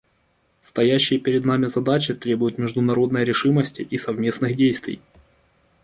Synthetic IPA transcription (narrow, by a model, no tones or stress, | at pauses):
st̪ɐjæɕːɪjəpʲɪɾʲɪd̪namʲɪzɐd̪at͡ɕɪt̪ɾʲe̞bʊjʊt̪mʲɪʐd̪ʊnɐɾo̞d̪nəjɾʲɪʂɨməsʲtʲɪʔisɐvmʲe̞snɨxdʲejst̪vʲɪ̰j